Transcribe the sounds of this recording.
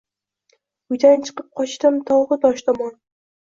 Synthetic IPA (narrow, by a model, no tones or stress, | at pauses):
ʊjd̪ant͡ʃʰɨ̥qɨp̚qʰɒt͡ʃt̪ɪmt̪ʰɒwʁɨd̪ɒʃt̪ʰɒmɒn